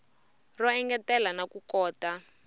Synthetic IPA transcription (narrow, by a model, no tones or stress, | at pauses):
rɔɛŋɡɛtɛlanakukɔːta